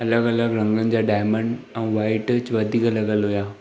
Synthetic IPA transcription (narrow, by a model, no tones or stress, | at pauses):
ɐləɡɐləɡɾɐ̃ŋɡənɪ̆d͡ʑaːɖaːjmə̃ɳɖ | ɛ̃ːʋaːɪʈt͡ɕʋɐd̪ʱiːkɐləɡəlɦujaː